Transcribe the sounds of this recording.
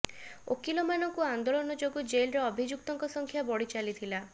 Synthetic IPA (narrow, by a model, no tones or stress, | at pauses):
o̰kilɔmanɔŋkuand̪olɔnɔd͡ʒoɡɔd͡ʒelɾeɔbʱid͡ʒuk̚t̪ɔŋkɔsɔŋkʰjabɔɽit͡ʃalit̪ʰila